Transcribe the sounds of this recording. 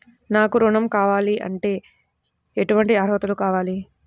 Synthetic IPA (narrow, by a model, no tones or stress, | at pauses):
naːkuɾuɳɐmkaːʋaːliʔɐ̰ɳʈe̞ː | eʈuʋɐɳʈiaːɾʋɐt̪ɐlukaːʋaːli